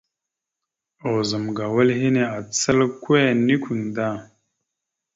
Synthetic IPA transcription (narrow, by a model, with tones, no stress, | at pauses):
o˨zə˨mɡa˨wə˦lhi˦ne˦a˨t͡sə˦lkwe˦˨ni˦kʷi˨ŋda˦˨